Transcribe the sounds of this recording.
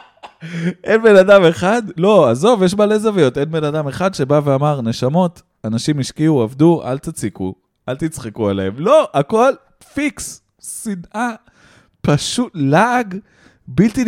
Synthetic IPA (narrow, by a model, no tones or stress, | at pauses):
ʔe̞nbe̞nadame̞χad̪lo̞azo̞vjeʃ̬maːle̞zavejo̞t̪e̞nbe̞nadameχadʃe̞baveamaʁne̞ʃamo̞t | anaʃimiʃkiuavd̪uʔa̰lt̪at͡sikṵ | ʔalt̪it͡sχekualeemlo̞ʔako̞l | fiks | sinʔa | paʃutlaaɡ | bilt̪i